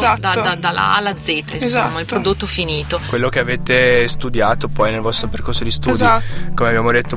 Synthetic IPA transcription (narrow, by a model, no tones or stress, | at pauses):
zatd̪aad̪ala̰a̰lːad̪zːeːt̪aiesza̰ːmailpːɾod̪ot̪ːofiniːt̪okwelːokeaveːt̪est̪ud̪jaːt̪opɔjnelvɔst̪ɾoperkorsod̪ist̪uːdzjiat̪ːkomeabːjaːmod̪et̪ːo